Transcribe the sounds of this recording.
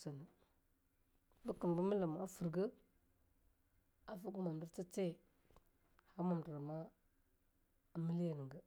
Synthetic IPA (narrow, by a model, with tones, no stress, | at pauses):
sa˨nə˨ | bə˦kə˨m˨bə˦mə˦la˨ma˨˦a˦fə˨ɾɡə˦ | a˨fu˦ɡu˦ma˨m˨bi˦ɾt͡sa˦t͡se˦˨ | ha˦ma˨m˨da˨ɾa˨ma˦˨ | mi˦li˦ja˨nə˨ɡa˦